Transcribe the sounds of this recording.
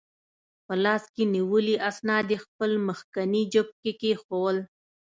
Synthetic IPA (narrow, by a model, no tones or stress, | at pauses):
pəlɑskeniwəliʔasnɑd̪expəlməxkanid͡ʒəb̚kekexowəl